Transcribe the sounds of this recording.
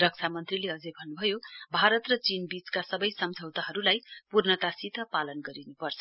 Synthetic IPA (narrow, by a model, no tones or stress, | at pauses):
rʌk̚t͡sʰamʌnt̪rileʌd͡zebʱʌnːubʱʌjobʱaɾʌt̪rʌt͡sinbit͡skasʌbʌjsʌmd͡zʱʌwt̪aɦʌɾulajpurnʌt̪asit̪ʌpalʌnɡʌɾinupʌrt͡sʰʌ